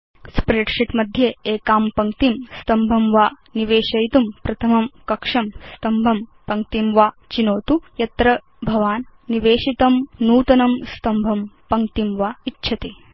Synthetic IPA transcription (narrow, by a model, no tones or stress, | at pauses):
spɾeʈʂiʈmɐd̪ʱjeeːkaːmpɐŋkt̪imst̪ɐmbʱɐmʋaː | niʋeːʃɐjt̪umpɾɐt̪ʰɐmɐmkɐkʂɐmst̪ɐmbʱɐmpɐŋk̚t̪imʋaː | t͡ʃinoːt̪ujɐt̪ɾɐ | bʱɐʋaːnːiʋeːʃit̪ɐmnuːt̪ɐnɐmst̪ɐmbʱɐmpɐŋk̚t̪imʋaːitːʃʰɐt̪i